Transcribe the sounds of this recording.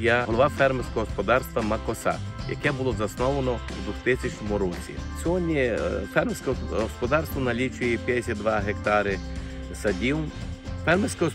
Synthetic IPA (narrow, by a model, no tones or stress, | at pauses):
jaɦɔlˠɔʋafɛrmesʲkɔɦɔspɔd̪ɑrst̪ʋɐmɐkɔsɑ̰t̪jɐ̰kɛbʊlˠɔzɐsnɔʋɐnɔwd̪ʋuxt̪ɪsʲɐt͡ʃnʲɔmʊɾɔt͡sʲḭsʲɔɦɔdʲnʲifɛrmesʲkɔɦɔspɔd̪ɑrst̪ʋɐnɐlʲit͡ʃʊjɛpʲjɐd̪esʲad̪d̪ʋaɦekt̪ɑɾɪ | sɐdʲiwfɛrmesʲkɔɦɔ